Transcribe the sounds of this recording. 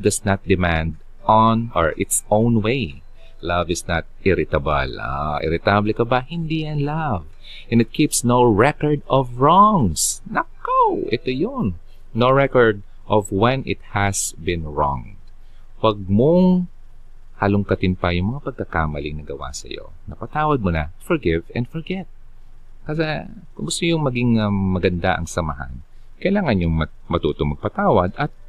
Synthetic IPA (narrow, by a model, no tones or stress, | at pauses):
d̪ɐsnat̪̚d̪ɪmæ̃nd̪ | ʔɔnɔɹʔɪt̪sʔõʊ̃nwej | lavɪsnɐt̪̚ʔɪɾɪt̪abɐ̰la̰ʔɪ̰ɾɪt̪ablɛkɐbahɪnd̪iːjɐnlav | ʔɛ̃nɪt̪̚kʰipsnoʊɹɛkɔɹd̪ɔvɹɔŋsnɐkawʔɛt̪ojʊnː | owɹɛkɔɹd̪̚ | ʔɔvwɛ̃nɪ̰t̪̚hæsbɪnɹɔ̰ŋ | wɐɡ̚moŋ | hɐlʊŋkɐt̪ɪnpɐjʊŋmɐŋapɐɡ̚kɐkaːmɐlɪŋnɐɡɐwa̰sɐ̰jo̞̰ | nɐpɐt̪aːwɐd̪̚monɐfɔɹɡɪvɛ̰nd̪fɔɹɡɛt̪̚ | kɐsa | kʊŋɡʊst̪ojʊŋmɐɡɪŋɐmɐɡɐnd̪aʔɐ̰ŋsɐmɐɦa̰n | kɐjlaːŋɐnjʊŋmɐ | mɐt̪uːt̪oŋmɐɡ̚pɐt̪aːwɐd̪ɐt̪̚